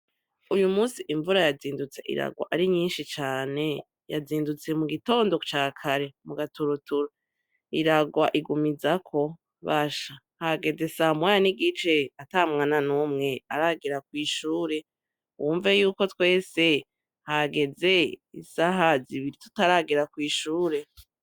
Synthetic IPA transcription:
ujumuːsiʔiɱvuɾajaziːndut͡se̞̰ʔḭɾa̰ɡwa̰ʔaɾiɲiːnʃit͡ʃaːne̞ | ja̰ziːndut͡se̞muɡito̞ːndo̞t͡ʃaːkʰaɾe̞muɡatuɾutuɾa | iɾaɡwaʔiɡumizakʰo̞ | βaʃa | haɡe̞d͡ze̞samwajaniɡit͡ʃe̞atamŋaːnanuːmŋe̞aɾaɡiɾak̚wiːʃuːɾe̞ | wuːɱvejuːko̞twe̞ːse̞ | haɡe̞ze̞isaɦaziβiɾitu̥taɾaɡiɾakwiːʃuːɾe̞

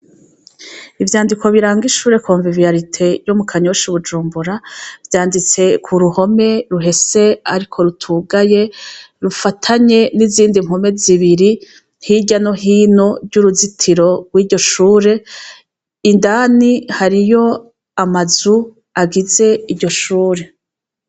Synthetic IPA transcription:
ivjaːndiko̞βiɾaːŋɡiʃuːɾe̞kʰoːɱvivijaɾitʰe̞jumukʰaɲo̞ʃuβud͡ʒuːmbuɾavjaːndit͡se̞kʰuɾuho̞me̞ɾuɦe̞se̞aɾikʰo̞ɾutʰuɡaje̞ | ɾufatʰaɲe̞niziːndiŋ̥home̞ziβiɾi | hiɟano̞ɦiːno̞ɾɟuɾuzitʰiɾo̞ɡwiːɾɟo̞ʃuːɾe̞ | indanihaɾijo̞ | amazu | aɡize̞iɾɟo̞ʃuːɾe̞

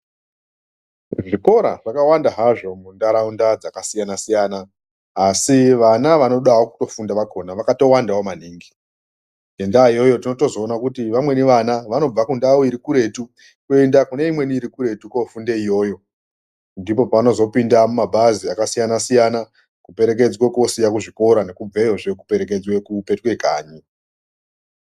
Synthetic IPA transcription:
ʐiko̞ɾa̰ʐ̥akawandaɦaʐo̞mundaɾaundad͡zakasijanasijanaː | siʋanaʋano̞ɗawoku̥to̞fundaʋako̞ːnaʋakato̞wandawomaniːŋɡi | endaijo̞jo̞tino̞to̞zo̞ːnakutiʋamwe̞niʋanaʋano̞b͡vakundawoiɾikuɾe̞tu | kendakune̞imwe̞niːɾikuɾe̞tukofundeijo̞ːjo̞ | ndipo̞paʋano̞zo̞pindamumabʱaziakasijanasijana | kupe̞ɾe̞k̬e̞d͡zweko̞sijakuʐiko̞ɾane̞kub͡vejoʐe̞kupe̞ɾe̞ke̞d͡zwekupe̞twe̞kaːɲi

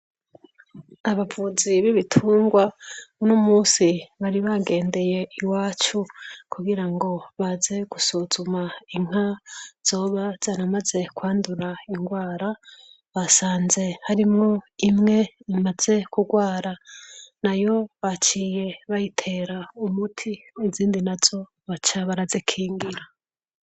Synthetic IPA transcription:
aβavuziβiβitʰuːŋɡwaunomuːsiβaɾiβaɡe̞ːnde̞je̞iwaːt͡ʃukuɡiɾaŋɡo̞βaze̞ɡ̥usuzumaiŋ̥az̥o̞ːβaz̥anamaze̞kwaːnduɾaiŋɡwaːɾa | βasaːnze̞haɾimŋo̞imŋe̞imaz̥e̞kuɡwaːɾanajo̞βat͡ʃije̞βajitʰe̞ɾaumutʰiniziːndinaz̥o̞ | βat͡ʃaβaɾazekʰiːŋɡiɾa

